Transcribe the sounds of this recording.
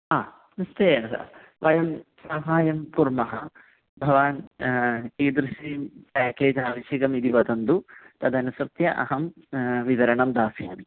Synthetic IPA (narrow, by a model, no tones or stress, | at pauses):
aː | nist̪eːjɐsa̰ | ʋɐjɐmsaːɦaːjɐmpuɾmɐɦɐ | bʱɐʋaːn | kiːd̪ɾɐʃiːmpaːkeːd͡ʒaːʋɐʃjɐɡɐmid̪iʋɐd̪ɐnd̪ut̪ɐd̪ɐnusɾt̪jɐʔɐ̰ɦɐm | ʋiʋɐɾɐɳɐmd̪aːsjaːni